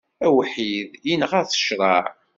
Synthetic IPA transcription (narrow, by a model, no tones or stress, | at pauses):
æwħiðjinəʁæθə̥ʃɾˤɑʕ